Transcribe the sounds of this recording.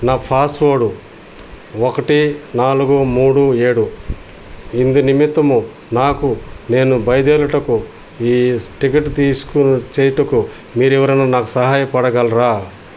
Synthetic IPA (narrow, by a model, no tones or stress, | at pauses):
naːpʰaːsʈʋoːɽu | okɐʈinaːluɡumuːɽueːɽu | ind̪unimit̪ːɐmu | naːkune̞ːnubɐjɐd̪ɛːlɐʈɐku | iːʈikɐʈːt̪iːsu̥kut͡ʃeɛːjɐʈɐku | miːɾɛʋɐɾɐnaːnaːkusɐɦaːjɐpɐɽɐɡaːlɾaː